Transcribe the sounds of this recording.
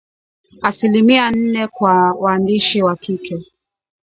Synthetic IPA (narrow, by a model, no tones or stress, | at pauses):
asilimian̩nɛkwawaːndiʃiwakikʰɛ